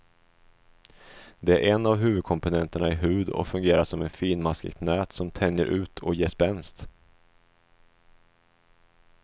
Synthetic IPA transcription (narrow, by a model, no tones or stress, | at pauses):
d̪ɛæɾʔɛnːavɦʉ̟ːvɵd̪̚kʰɔmpʊnɛnt̪əɳaɪɦʉ̟ːd̪ɔ̰kfɵŋɡeːɾaʂɔmɛnfiːnmaskə̰kt̪nɛːt̪sɔmt̪ʰɛnjəɾʔʉ̟ːt̪ʰɔ̰jeːʂpɛnst̪